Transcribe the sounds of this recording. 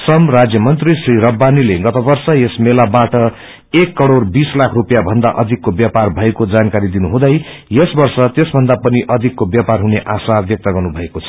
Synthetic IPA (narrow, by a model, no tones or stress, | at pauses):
sʌmrad͡zjʌmʌnt̪risriɾʌbːanileɡʌt̪ʌbʌrsʌjesmelabaʈʌ | ekːʌɽorbislakʰrupjabʱʌnd̪aʔʌd̪ʱikːobjaparbʱʌekod͡zankaɾid̪inuɦũd̪ʌjjesbʌrsʌt̪esbʱʌnd̪apʌniʔʌd̪ʱikːobjaparɦuneʔasarbjʌk̚t̪ʌɡʌrnubʱʌekot͡sʰʌ̥